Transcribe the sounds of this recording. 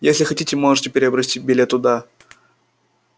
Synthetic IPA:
jesʲlʲɪxɐtʲitʲɪmoʐɨtʲɪpʲɪɾʲɪɐbɾɐsʲt̪ʲit̚ʲbʲɪlʲet̪ːʊd̪a

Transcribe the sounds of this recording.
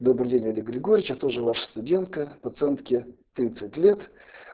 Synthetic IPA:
d̪o̞bɾɨdʲenʲəlʲɪɡɾʲɪɡo̞ɾʲɪt͡ɕat̪oʐəvaʂə̥st̪ʊdʲe̞nt̪kəpɐt̪sɨɛnt̪kʲɪt̪ɾʲit̪sɨtʲlʲet̪

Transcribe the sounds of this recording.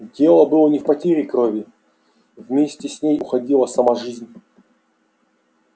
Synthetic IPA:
dʲelˠəbɨlˠənʲɪfpɐtʲeɾʲɪkɾovʲɪ | vmʲesʲtʲɪsʲnʲejʊxɐdʲilˠəsɐmaʐɨzʲnʲ

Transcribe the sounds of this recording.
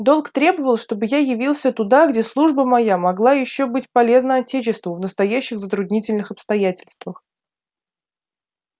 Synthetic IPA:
d̪o̞lˠkt̪ɾʲe̞bəvəlˠʂt̪o̞bɨjajɪvʲilˠsʲət̪ʊd̪aɡdʲe̞slˠuʐbəmɐjamɐɡlˠajɪɕːobɨtʲpɐlʲe̞znəɐtʲet͡ɕɪst̪vʊvnəst̪ɐjæɕːɪɣzət̪ɾʊd̪nʲitʲɪlʲnɨxɐpst̪ɐjætʲɪlʲst̪vəx

